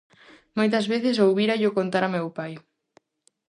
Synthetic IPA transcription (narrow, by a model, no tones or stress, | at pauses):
mojt̪ɐzβeθɪs̬owβiɾaʎʊkont̪aɾamewpaj